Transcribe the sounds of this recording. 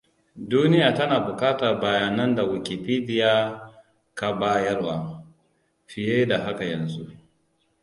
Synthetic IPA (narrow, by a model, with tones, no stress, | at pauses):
duː˦nɪ˦jaː˨tɐ˦naː˨bʊ˨kaː˦ta˨ba˨jaː˨nɐ˦nda˨wɪ˨kʲi˨piː˦dɪ˦jaː˦ | ka˨baː˦jɐ˦rwaː˦ | ɸɪ˨jeː˦da˨ɦa˦ka˨jɐ˨nzu˦ʔ